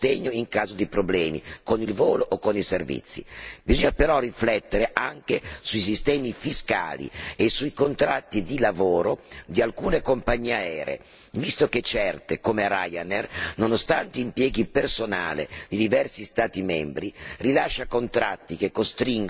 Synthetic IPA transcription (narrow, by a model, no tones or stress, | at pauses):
t̪eɲːoiŋkaːzod̪ipɾoblɛːmḭkonilvoːloʔokːoniservḭt̪sːḭbizoɲːapeɾɔriflɛt̪ːeɾeʔaŋk̟esuis̬ist̪ɛːmifiska̰ːlḭesuikont̪ɾat̪ːid̪ilavoːɾod̪ialkuːnekompaɲːiːeaɛːɾḛḛ | vist̪ok̟et͡ʃɛrt̪ekomeɾa̰janernonost̪ant̪eimpjɛːɡipersona̰ːlḛd̪id̪ivɛrsist̪aːt̪imɛmbɾirilaʃːakont̪ɾa̰t̪ːik̟ekːost̪ɾiŋɡ